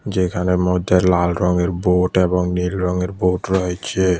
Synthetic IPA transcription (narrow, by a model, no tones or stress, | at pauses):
d͡ʑekʰanemɔd̪ʱːeɾlalɾɔŋeɾboʈeboŋnilɾɔŋeɾboʈɾɔɦet͡ɕʰe